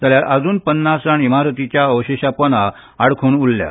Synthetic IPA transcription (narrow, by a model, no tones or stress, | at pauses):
d͡zaljaɾʔəd͡zuːnpənːasaɳimaɾt̪it͡ɕjaəʋɕeɕapəna | aɽkʰoːnulːja̰